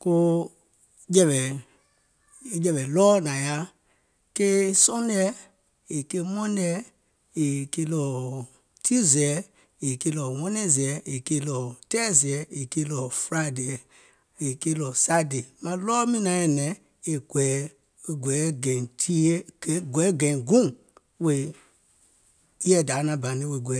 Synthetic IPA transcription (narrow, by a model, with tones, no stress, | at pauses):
ko˦ | d͡ʒɛ˨vɛ˨˦ | d͡ʒɛ˨vɛ˨lɔː˦nã˨ja˦ | ke˦sɔ̃˦ndɛ˦ | i˨ke˦mɔ̃˦ndɛ˦ | i˨ke˦lɔ˨ | tʰi˦zɛ˨˦ | i˨ke˦lɔ˨wɔ̃˦nɛ̃˦zɛ˨i˨ke˦lɔ˨tɛ˦zi˨ɛ˨e˨ke˦lɔ˨fɾa˦dɛ˨ | e˨ke˦lɔ˨sa˦de˨mã˨lɔ˦mĩ˦nã˨˦ɛ˨nɛ˨˦ | e˨ɡwɛ˨˦˨ | ɡʷɛ˨˦ɡɛ̃˨tʰi˦e˦˨˦ɡʷɛ˨˦ɡɛ̃˨ɡũ˦ | we˨˦ | jɛ˦˨da˨˦nã˨ba˨nĩ˦we˨ɡʷɛ˨˦